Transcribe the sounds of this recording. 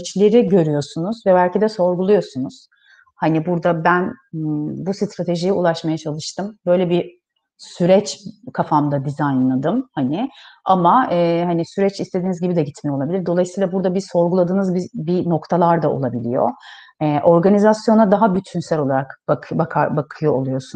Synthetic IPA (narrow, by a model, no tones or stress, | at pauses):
t͡ʃlʲe̞ɾiɟø̞ɾyjo̞sunuzvɛbælʲcid̪ɛso̞ɾɡulˠujo̞sunuz̥ | hanibuɾd̪abæn | busɯt̪ɾat̪ʰe̞ʒijɛulˠaʃmajat͡ʃʰalˠɯʃt̪ʰɯmbø̞jlʲɛbi | syɾɛt͡ʃkʰafamd̪ad̪izajnlˠad̪ɯmhanɪamaɯːɦanisyɾɛt͡ʃist̪ed̪iːnizɟibid̪ɛɟit̪mijolˠabilʲiɾd̪o̞lˠajɯsɯiːlˠabuɾd̪abizso̞ɾɡulˠad̪ɯːnɯzbibino̞kt̪ʰalˠaɾd̪ao̞̰lˠabilʲijo̞̰ | ɛʔo̞ɾɡanizasjo̞nad̪aɦabyt̪ʰynsælʲo̞lˠaɾakbakbakʰabakʰɯjo̞olˠujo̞sun